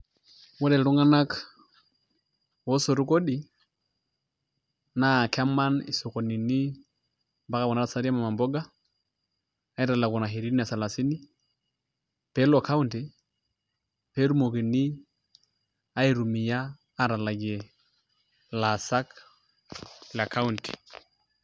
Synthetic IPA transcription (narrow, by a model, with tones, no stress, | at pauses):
wɔ˦dɛ˨lɾu˦ŋa˦na˦k | wɔ˦so˨ɾu˦ko˦ɗi˨ | na˦˨ka˦ma˦ni˨so˨ko˨ni˨ni˦ | ba˦ka˦˨wɔ˨na˦ɾa˨sa˦ɾi˦a˦ma˨ma˨mbɔ˦ɡa˦ | a˦i˦ɾa˨la˨ku˨na˨ɦi˨ɾi˦ni˦a˨sa˨la˨si˦ni˦ | pe˦lo˨ka˦u˦nti˨ | pe˦ɾu˦mo˨ki˨ni˦ | a˦i˨ɾu˨mi˨jaː˦ | ɾa˨la˨ɡe˨ | la˨sa˦k | la˨ka˦u˦nti̥